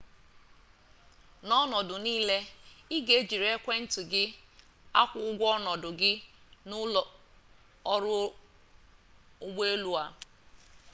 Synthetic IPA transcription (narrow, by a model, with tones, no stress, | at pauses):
nɔ˦nɔ˨dʊ˨niː˦le˦ɪ˦ɡe˨˦d͡ʒi˨ɾe˦kʷe˦n̩˦tu˨ɡɪ˦ | a˦kʷʊ˦ʊ˦ɡʷɔ˦nɔ˨dʊ˨ɡɪ˦nʊ˦˨˦ | ɔ˦ɾʊ˦ | ʊ˦ɡ͡be˦e˦lu˦a˦